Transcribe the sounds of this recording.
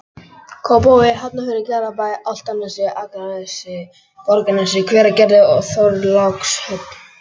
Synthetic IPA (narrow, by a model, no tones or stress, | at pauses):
kʰɔwpowɪɦat̪nafɪɾɪcɛːɾapajʔal̥t̪anːasɪʔaːkaɾaðɛsɪ | kɔɾkɪnasɪkʰvɛːɾacɛɾðɪɔθoɾlakshœt̪n